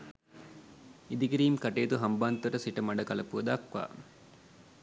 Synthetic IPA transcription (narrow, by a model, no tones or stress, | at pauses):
id̪ikiɾiːmkɐʈeːt̪uɦɐmbaːnt̪ɐɾɐsiʈɐmɐɖɐkɐlɐpuɐd̪aːkʋa̰ː